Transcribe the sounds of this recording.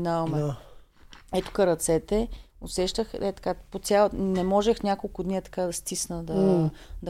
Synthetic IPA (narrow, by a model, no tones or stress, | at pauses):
navɐmɛ | ɛt̪ʊ̥kəɾɐt̪sɛt̪ɛʊsɛʃt̪əxɛt̪ɐ̥kapot̪sʲjalnɛmɔʒɛxnʲjakolˠkʊd̪nit̪ɐ̥kad̪ɐst̪isnəd̪ɐd̪